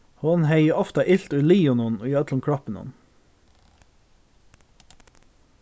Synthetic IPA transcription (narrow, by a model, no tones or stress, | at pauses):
hʊnheɪəɔft̪ɑʔɪlt̪ʉːliːʊnʊnoːjøːɑt̪lʊmkʰɽɑpənʊ̰n